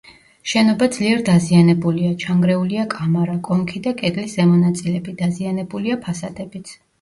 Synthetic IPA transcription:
ʃɛnɔbad̪zliɛɾd̪azianɛbuliat͡ʃʰaŋɡɾɛuliakʼamaɾakʼɔmkʰid̪akʼɛd̪lisz̥ɛmɔnat̪sʼilɛbid̪̥azianɛbuliapʰasad̪ɛbit̪sʰ

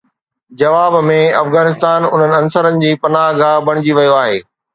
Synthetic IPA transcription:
d͡ʑɐʋaːbmẽɐfɣaːnɪst̪aːnʊ̰n̤ənɪ̆ɐnsəɾənɪ̆d͡ʑiːpɐnaːɦɡʱaːbɐɽ̃ɪd͡ʑiʋɐjoaːɦeː

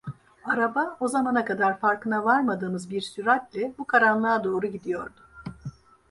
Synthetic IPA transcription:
aɾabao̞zamanakad̪aɾfaɾkɯnavaɾmad̪ɯːmɯzbiɾsyɾat̪lʲɛbukʰaɾanlˠaːd̪o̞ːɾuɟid̪ijo̞ɾd̪ʊ

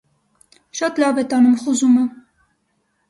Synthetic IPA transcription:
ʃɑt̪lɑvɛt̪ɑnumχuzumə

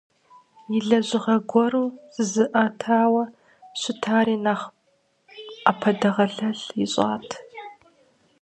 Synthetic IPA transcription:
jɪɮɐʑɪʁɐɡʷɔɾuːz̥ɨzɨʔɐtʰaːwɐ | ɕʷɪtʰaːɾiːnaːχ | apʰɐdɐʁɐɮɐɮjɪɕʼa̰ːtʰ

